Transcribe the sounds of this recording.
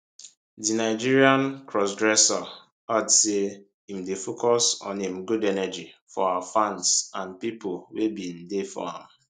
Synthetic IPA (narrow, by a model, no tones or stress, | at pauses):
dinaɪd͡ʒiɹiãnkɹɔsɡɹɛsɔ | adse | im̩defokɔsɔ̰̃nĩm̩ɡudɛnɛd͡ʒifɔaafãnsãnpipʊwebim̩defɔ̰ã̰m